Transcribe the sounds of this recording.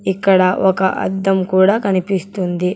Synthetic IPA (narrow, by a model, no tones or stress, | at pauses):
ikːɐɽɐʔɔkɐʔɐ̰d̪ːɐmkuːɽaːkɐnipist̪und̪i